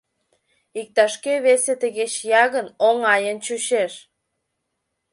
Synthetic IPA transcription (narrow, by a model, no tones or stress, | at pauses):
ik̚t̪ɑʃkeβeset̪əɣet͡ɕjɑɣənoŋɑjənt͡ɕuɕeʃ